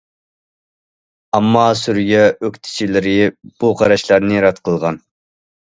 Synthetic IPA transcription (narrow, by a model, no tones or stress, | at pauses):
ɑmːɑsyɾɡʲɛøkʲt̪ʰɪ̥t͡ʃʰilɪɾɪb̥uqʰɑɾɑʃlˠɑɾnɨɾɑt̪qʰəlˠʁɑn